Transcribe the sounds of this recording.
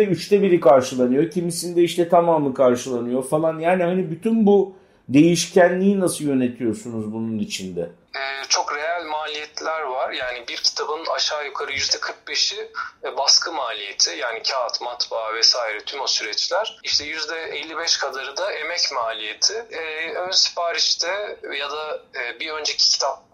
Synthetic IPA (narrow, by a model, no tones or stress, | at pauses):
ɛyt͡ʃt̪ʰɛbiɾikʰaɾʃɯlˠanɯjocʰimisind̪ɛiʃt̪ʰɛt̪ʰamaːmˠɯkʰaɾʃɯlˠanɯjo̞falˠanjaːnihanibyt̪ʰynbu | d̪e̞jiʃcʰænlʲiːnasɯlˠjø̞ne̞t̪ʰijo̞sunuzbununit͡ʃʰind̪ɛ | ɛːt͡ʃʰo̞kɾejælʲmaːlʲijɛt̪lʲæɾvaɾjaːnibiɾcʰi̥t̪ʰabɯna̰ʃaːjukʰaɾɯjyzd̪ɛkʰɯɾk̚beʃibaskʰɯmaːlʲijet̪ʰɪjaːnicʰaːt̪mat̪bavɛsaːiɾɛt̪ʰymosyɾɛt͡ʃlʲæɾ̥iʃt̪ʰɛjyzd̪ɛɛlʲːibɛʃkʰad̪aɾɯd̪aʔemɛcmaːlʲijet̪ʰɪønsi̥paːɾit͡ʃt̪ʰɛjad̪aːbiø̞nd͡ʒecʰi̥cʰi̥t̪ʰap̚